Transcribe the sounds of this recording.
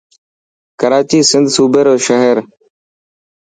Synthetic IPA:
kəɾaːt͡ʃiːsɪnd̪ʱsuːbeːɾoːʃəɦeɾ

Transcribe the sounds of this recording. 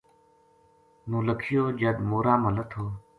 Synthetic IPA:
nũːləkʰɪjoːd͡ʒəd̪moːɾaːmələt̪ʰoː

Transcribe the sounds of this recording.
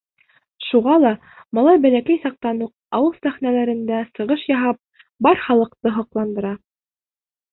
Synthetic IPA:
ʃuʁɑlˠɑ | mɑlˠɑjbælækæjsɑq̚t̪ɑnuq̚ | ɑwɤlˠsæχnælæɾɘ̆nd̪æsɤ̆ʁɤʃjɑɦɑp̚ | bɑɾχɑlˠɤ̆qt̪ɤɦɑqlˠɑnd̪ɤ̆ɾɑ

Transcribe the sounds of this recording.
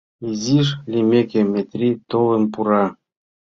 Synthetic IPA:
iziʃlʲimʲekʲemʲet̪ʲrʲit̪olə̆mpuɾɑ

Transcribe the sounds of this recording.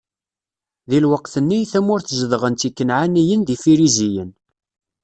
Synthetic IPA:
ðilwəqθənːiθæmʊɾθzəðʁənt̪ikːənʕanijənðifiɾizijən

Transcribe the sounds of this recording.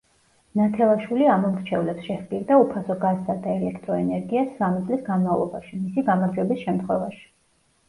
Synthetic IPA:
nat̪ʰɛlˠaʃwiliamɔmɾt͡ʃʰɛvlɛpsʃɛχpʼiɾd̪aupʰasɔɡazd̪ad̪aɛlɛkʰt̪ʼɾɔɛnɛɾɡiasːamit̪sʼlisɡanmavlˠɔ̰baʃimisiɡamaɾd͡ʒwɛbisʃɛmt̪ʰχwɛvaʃi̥

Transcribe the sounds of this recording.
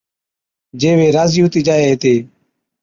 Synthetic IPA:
d͡ʒeːʋeːɾaːziːʊt̪iːd͡ʒaːeːɦeːt̪eː

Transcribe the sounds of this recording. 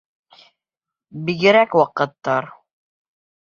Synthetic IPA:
biɡɘ̆ɾækwɑqɤ̆t̪ːɑɾ

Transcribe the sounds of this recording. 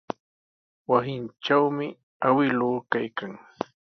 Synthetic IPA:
wasɪnʈ͡ʂawmɪ | awɪlʊːkajkaŋ

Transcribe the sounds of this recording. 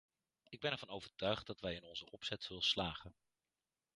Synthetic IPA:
ɪɡ̚bɛnɛɹvɑnowvəɹtœɥχt̚dɑtʋɛjɪnɔnzəʔɔpsɛtsɵlˠslaːχən

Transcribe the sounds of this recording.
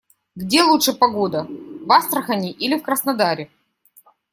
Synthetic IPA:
ɡdʲe̞lˠutʂɨpɐɡod̪əvast̪ɾəxɐnʲɪʔilʲɪfkɾəsnɐd̪aɾʲɪ

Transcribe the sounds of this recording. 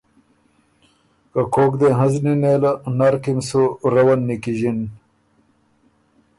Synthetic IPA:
kakʰoːkd̪eɦəznineːlanaɾkimsuɾɐwɐnːikiʑin

